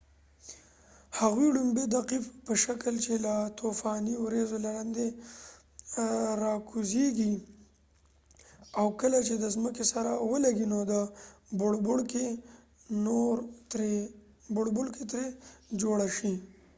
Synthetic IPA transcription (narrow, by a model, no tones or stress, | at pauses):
haɣwiɽumbed̪aqifpəʃaklt͡ʃelat̪ofɑniwɾezolaɾand̪e | ɾɑkuzeɡi | awkəlat͡ʃed̪əzməkesaɾawəlaɡinod̪əbʊɽbʊɽke | noɾɾe | bʊɽbʊɽket̪ɾed͡ʒoɽaʃi